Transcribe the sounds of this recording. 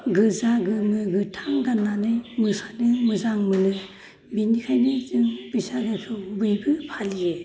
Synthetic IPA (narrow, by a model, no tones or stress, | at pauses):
ɡɯzaɡɯmɯɡɯtʰaŋɡanːanɯjmɯsanɯmɯzaŋmɯnɯ | binikʰajnɯzɯŋb̥isaɡajpʰɯbɯjbɯpʰalije